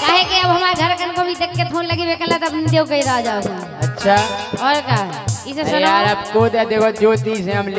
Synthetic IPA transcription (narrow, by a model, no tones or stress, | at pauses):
kaɦekiəbɦəmaɾɡʱəɾkənkobʱid̪ekːət̪ʰonləɡibekənlat̪əpbnid̪ekəiɾaɦad͡ʒaosa | ətːʃʰaɔɾkaɦɛisesənaɾabkod̪ad̪ekʰod͡ʒot̪isɛ̃ɦəml